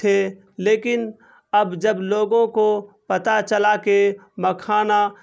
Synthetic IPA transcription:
e | leːkɪn | ɐbd͡ʒəbloːɡõkopɐt̪at͡ʃəlakeməkʰaːna

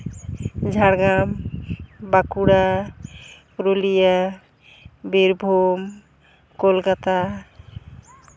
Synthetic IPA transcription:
d͡ʒʱaɽɡam | bakuɽa | ɾolija | beɾbʱom | kolkat̪a

